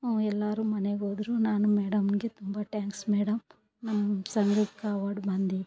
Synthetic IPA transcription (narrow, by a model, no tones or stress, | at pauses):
oɛlːaːɾumɐneɡoːd̪ɾunaːnumɛːɽɐmɡit̪umbaːʈjaːŋksmɛːɽɐm | nɐmsɐŋɡɾukkaːʋaːɽubɐnd̪i